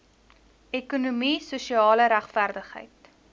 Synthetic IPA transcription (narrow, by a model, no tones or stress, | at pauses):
ɛkunumisuʃiɑːləɾæχfærdəχɦə̰jt